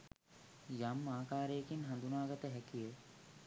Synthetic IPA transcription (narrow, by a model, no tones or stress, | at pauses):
jamːaːkaːɾeːkinɦɐ̃nd̪ʱunaːɡɐt̪eɦɛkie